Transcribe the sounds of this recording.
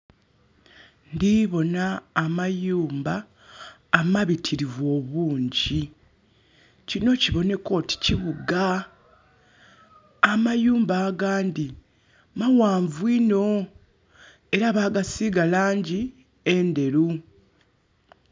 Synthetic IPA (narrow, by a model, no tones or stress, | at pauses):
ndiβo̞naːmajuːmbaː | maβitʰiɾivwo̞ːβuːɲɟi | cino̞ciβo̞ne̞ko̞ːti̥ciβuɡa | majuːmbaːɡaːndi | mawaːɱvwino̞ | e̞ɾaβaːɡasiɡalaːɲɟi | e̞nde̞ɾu